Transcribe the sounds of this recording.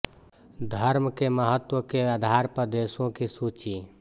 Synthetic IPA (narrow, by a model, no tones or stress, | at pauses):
d̪ʱəɾmkeməɦət̪ːwəkead̪ʱaɾpɾəd̪esõkisut͡ʃi